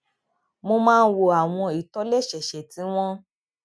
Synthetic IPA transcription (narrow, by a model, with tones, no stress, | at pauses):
mo˧mãː˦˧n̩˦wo˨a˨w̃ɔ̃˧i˨tɔ˨˦lɛ˦˨ʃɛ˨ʃɛ˨tĩ˨˦w̃ɔ̃˦